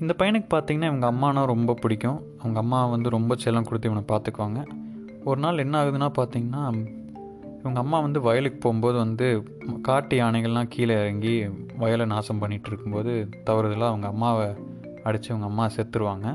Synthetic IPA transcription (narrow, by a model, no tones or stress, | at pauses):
ɪnd̪ɐpɐjɐɳɯkːɯ̥paːɾt̪iŋɡɐnːaːɪʋɐŋɡɐɐmːaːnãːɾɔmbɐpɪɽɪkʲːʊ̃ | ɐʋɐŋɡɐmːaːʋɐnd̪ɯɾɔmbɐt͡ʃɛlːɐmkʊɽɯt̪ːiɪʋɐɳɐpaːɾt̪ɯkːʋaːŋɡɐ | ɔɾɯnaːlɛnːaːɣɯðɯnaːpaːɾt̪iːŋɡɐnːaː | ɪʋɐŋɡɐmːaːʋɐnd̪ɯʋɐjɐlɯkːɯ̥poːɣmboːðɯʋɐnd̪ɯ | kaːʈːɪaːnɐɛɪɣɐɭlãːkʰiːlɐɐɾɐŋɡiʋɐjɐlɐnaːsɐmpɐɳːɪʈːɪɾɯkːɯmpoːðɯt̪ɐʋɐɾɐðɯlãːɐʋɐŋɡɐɐmːaːʋ | ɐɽɯt͡ʃːɯɛʋɐŋɡɐːmːaːsɛt̪ːɯɾɯʋaːŋɡɐ